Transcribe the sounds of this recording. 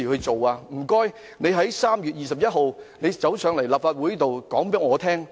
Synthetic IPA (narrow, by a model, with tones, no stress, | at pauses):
i˨˩hɵ˧ɥt͡so˨waː˧m̩˨˩kɔː˥j | ne˨˧jɦɐ˨˥jsaː˥mjyː˨t̚jiː˨sɐ˨p̚jɐ˥t̚ɦo˨wne˨˧jt͡sɐ˨˥wsœː˨˧ŋlɐ˨˩jlaː˨˩pfaː˧t̚wu˨˥jiː˥t̪o˨wkɔː˨˥ŋpe˨˥ŋɔː˨˧t̪ʰɛː˥ŋ